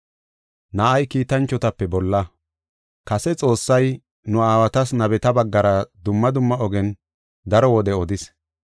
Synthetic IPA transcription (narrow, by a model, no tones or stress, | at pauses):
nɐʔɐjkiːt̪ɐnt͡ʃːɔt̪ɐpːɛbɔlːɐ | kɐsɛt͡sʼo̞ːsːɐj | nʊaːwɐt̪ɐsnɐbɛt̪ɐbɐɡːɐɾɐd̪ʊmːɐd̪ʊmːɐɔɡɛn | d̪ɐɾɔwɔd̪ɛɔd̪ɪs